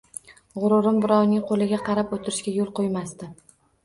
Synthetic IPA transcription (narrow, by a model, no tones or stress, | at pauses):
ʁʊɾʊɾɪmbɪɾɒwnɪŋqʰolɪɡʲaqʰɑɾapot̪ʰɪɾɪʃkʲajolˠqojmast̪ɪ